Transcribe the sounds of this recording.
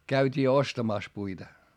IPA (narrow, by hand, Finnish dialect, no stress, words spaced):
kæytʲiː ostɑmɑˑs puitɑ